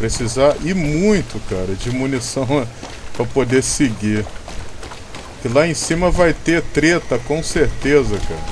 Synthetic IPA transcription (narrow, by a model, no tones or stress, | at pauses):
pɾesizaʔɪmũj̃t̪ʊkaɾɐd͡ʒɪmunisɐ̃w̃ | pɾɐpod̪eseɡi | kɪlaẽsĩmɐvajt̪et̪ɾet̪ɐkõw̃seɾt̪ezɐka̰ɾɐ